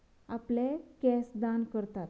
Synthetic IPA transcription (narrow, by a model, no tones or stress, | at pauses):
aplekɛsd̪ankəɾt̪at̪